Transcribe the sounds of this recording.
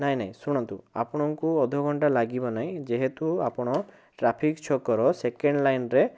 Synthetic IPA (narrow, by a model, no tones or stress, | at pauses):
naj̃naĩsuɽ̃ɔnt̪ua̰pɔɽ̃ɔŋkuɔd̪ʱɔɡʱɔɳʈalaɡibɔnaĩd͡ʒeɦet̪uapɔɽ̃ɔ | ʈɾapʰikt͡ʃʰɔkɔɾɔsekeɳɖlajnɾe